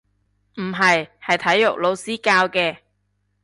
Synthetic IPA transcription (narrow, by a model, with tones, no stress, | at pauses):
m̩˨˩ɦɐ˨jhɐ˨jt̪ʰɐ˨˥jːʊ˨k̚lo˨˧wsiː˥kaː˧wkɛː˧